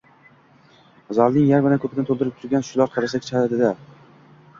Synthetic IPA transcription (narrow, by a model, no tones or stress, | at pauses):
zalˠnɪŋjaɾbɪlankʰɵpʰɪd̪aɪt̪ʰolˠd̪ɪɾɪp̚t̪ʰʊɾɡʲanʃʊlˠaɾqʰɑɾasakʲʰɪ̥t͡ʃʰad̪ad̪ɪd̪a